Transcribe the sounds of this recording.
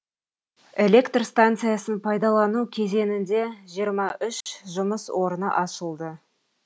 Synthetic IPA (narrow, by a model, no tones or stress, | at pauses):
e̞lʲe̞kt̪rst̪ant̪sɨjasənpʰɑjd̪ɑlˠɑnukʲʰe̞ze̞nɪnd̪e̞ʒijəɾmɑʔʏʃʒʊməswʔo̞ɾənə̰ʔɑʃəlˠd̪ə